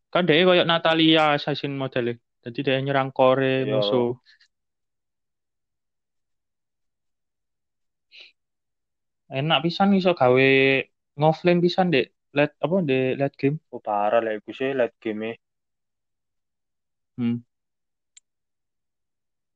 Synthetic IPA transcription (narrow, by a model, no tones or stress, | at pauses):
kaɖɛ̤ʔekɔjɔʔnat̪aliasaisɪnmod̪̥ɛ̤le | d̪̥a̤d̪id̥̪ɛʔeɲəɾaŋkɔɾemusu | enaʔpisanis̬ɔʔɡ̥a̤we | ŋɔflɪnpisandeʔ | lɛt̪̚apɔndelɛt̪̚ɡ̥emob̥aɾalaʔikuselɛt̪̚ɡ̥eme